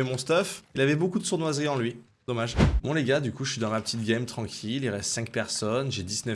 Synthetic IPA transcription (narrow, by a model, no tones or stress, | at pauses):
ɛmɔ̃st̪afilavɛbokud̪əsuʁnwazʁiɑ̃lɥi | d̪ɔmaʒmɔ̃leɡad̪ykuʃəʃɥid̪ɑ̃mapə̥t̪it̪̚ɡʲamt̪χɑ̃kʲʰililʁɛst̪sɛ̃ŋk̚pɛʁsɔnʒed̪isnœ